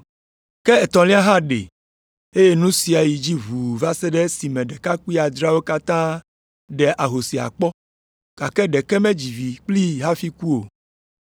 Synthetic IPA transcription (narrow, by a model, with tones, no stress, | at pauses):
kɛ˦ɛ˨t̪ɔ̃˨lĩ˦a˦ɦa˦ɖḛ˨ | e˦je˦nũ˦si˨a˨ji˨d͡ʑi˦vu˨va˦sɛ˦ɖɛ˦si˨mɛ̃˨ɖɛ˨ka˦ku˦i˦a˨d̪ɾa˦wo˦ka˦t̪ã˦ | ɖɛ˨ʔa˨ɦo˨si˨a̰˨k͡pɔ˦ | ka˨kɛ˦ɖɛ˨kɛ˦mɛ̃˦d͡ʑi˨vi˨k͡pli˦ɦa˦fi˦ku˦o˨